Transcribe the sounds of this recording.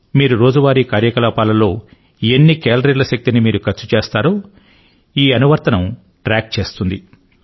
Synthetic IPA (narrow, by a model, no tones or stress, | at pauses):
miːɾuɾo̞ːd͡ʒuʋaːɾikaːɾjɐkɐlaːpaːlɐlo̞ː | enːikeːlɐɾilɐʃɐk̚t̪inimiːɾukɐɾt͡ʃːu̥t͡ʃe̞ːst̪aːɾoː | iːɐnuʋɐɾt̪ɐnɐm | ʈɾaːk̚t͡ʃe̞ːst̪und̪i